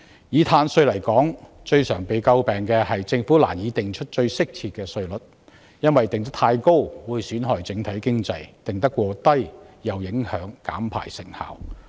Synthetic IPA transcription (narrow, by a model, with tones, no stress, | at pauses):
jiː˨˥t̪ʰaː˧nsɵ˧ɥlɐ˨˩jkɔː˨˥ŋ | t͡ʃɵ˧ɥsœː˨˩ŋpe˨˧jkɐ˧wpɛː˨˩ŋkɛː˧hɐ˨jt͡sɪ˧ŋfuː˨˥la̰ː˨˩njiː˨˥t̪ɪ˨˩ŋt͡ʃʰɵ˥t̚t͡ʃɵ˧ɥsɪ˥k̚tʰiː˧t̚kɛː˧sɵ˧ɥlɵ˨˩t̚ | jɐ˥nwɐ˨jt̪ɪ˨ŋt̪̬ɐ˥k̚t̪ʰaː˧jko˥wwuː˨˧jsyː˨˥nɦɔː˨˩jt͡sɪ˨˥ŋt̪ʰɐ˨˥jkɪ˥ŋt͡sɐ˧jt̪ɪ˨ŋt̪ɐ˥kʷːwɔː˧t̪ɐ˥jjɐ˨wjɪ˨˥ŋhœː˨˥ŋkaː˨˥mpʰa̰ː˨˩jsɪ̰˨˩ŋha̰ː˨w